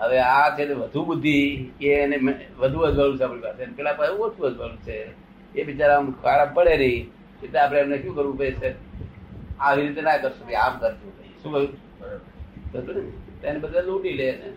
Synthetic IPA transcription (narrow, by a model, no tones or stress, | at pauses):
ɦəʋeat͡ʃʰet̪eʋəd̪ʱubəd̪ʱːienemʋəd̪ʱuəd͡ʒʋalũt͡ʃʰeapɽipasenpɛlapaũət̪ʰũəd͡ʒʋalũt͡ʃʰe | ebʱit͡ʃaɾamkʰaɾapəɽenəɦĩ | ket̪eap̬ɽ̃eːmneʃjũːkəɾʋũpəit͡ʃʰe | aʋiɾit̪enakəɾʃũpəiamkəɾt̪ũpəiʃũkəũ | t̪ot̪ont̪anebəd̪alũʈilet͡ʃʰe